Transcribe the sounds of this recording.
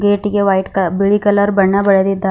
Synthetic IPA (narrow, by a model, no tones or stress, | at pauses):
ɡeːʈiɡeʋɐjʈkɐbiɭikɐlɐɾbɐɳːɐbɐɭed̪id̪ːa